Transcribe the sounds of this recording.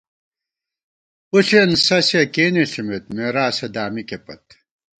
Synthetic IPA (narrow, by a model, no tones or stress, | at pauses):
uɬensɐsekeːniɬimet̪̚meːɾaːsed̪aːmikepɐ̰t̪